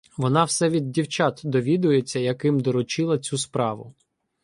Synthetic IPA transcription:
ʋɔnɑwsɛʋʲid̪̚ːʲiwt͡ʃɑt̪d̪ɔʋʲid̪ʊjet͡sʲːɐjɐkɪmd̪ɔɾɔt͡ʃɪlˠɐt͡sʲuspɾɑʋʊ̰

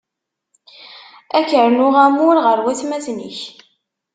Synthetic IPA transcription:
ækəɾnʊʁæmʊɾʁəɾwæθmæθnḭç

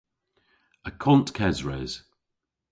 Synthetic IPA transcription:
əkʰɔ̃nʔkʰɛzɹɛz̥

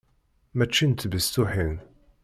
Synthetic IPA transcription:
mæt͡ʃːint̪bəst̪uħin

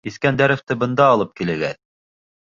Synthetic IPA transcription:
iθkænd̪æɾɘ̆ft̪ɘbɤ̆nd̪ɑːlˠɤp̚kilɘ̆ɡæt̪

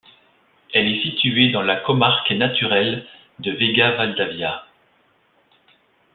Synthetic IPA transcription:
ɛlɛsit̪ʰyed̪ɑ̃lakɔmaʁkenat̪yʁɛl | d̪əveɡavald̪avja

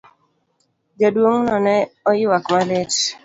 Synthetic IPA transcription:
d͡ʒadwoŋnɔnɛɔjɪwakmalet

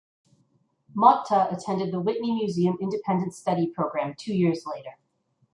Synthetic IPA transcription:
mɑk̚tʰəɨtʰɛ̃ndɨd̪̚ðəwɪʔⁿnimjʉziɨ̃mɪ̃ndɨpʰɛ̃ndɨ̃ntstʌɾipʰɹ̥oʊɡɹæ̃mtʰʉjɪɹzleɪɾə˞

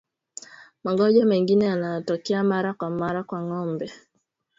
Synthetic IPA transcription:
maɡɔd͡ʒameŋɡinɛanatɔkiamaɾakwamaɾakwaŋɔm̩bɛ

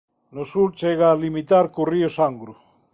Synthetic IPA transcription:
nosuɾt͡ʃeɣalimit̪aɾkuriosaŋɡɾu

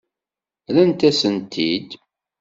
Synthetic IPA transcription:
lænt̪æsənt̪ʰid̪

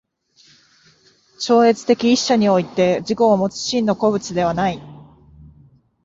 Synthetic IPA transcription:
t͡ɕo̞ːe̞t͡sɨ̥t̪e̞kʲiːɕːaɲ̟io̞it̪e̞d͡ʑiko̞ːmo̞t͡sɨ̥ɕĩnːo̞ko̞bɯ̟t͡sɨd̪e̞β̞anai

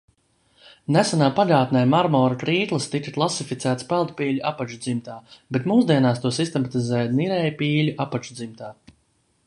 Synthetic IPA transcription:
næsanaːpaʎʲaːt̪nɛjmaɾmɔːɾakɾiːt̪lˠɨst̪ikaklˠasifit̪sæːt̪spɛlˠt̪piːlʲuapat͡ʃud̪zimt̪aːbet̪muːzd̪iɛnaːst̪uɔsist̪ɛmat̪izɛːj̪niɾɛjpiːʎʲuʔapat͡ʃud̪zimt̪aː

